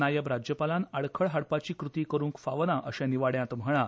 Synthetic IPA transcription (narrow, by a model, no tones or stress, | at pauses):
najəbɾad͡ʑjəpalãnaɽkʰəɭɦaɽpat͡ɕiːkɾut̪iːkəɾuːŋkfaʋnaʔəɕãniʋaɽjãt̪m̤əɭ̃a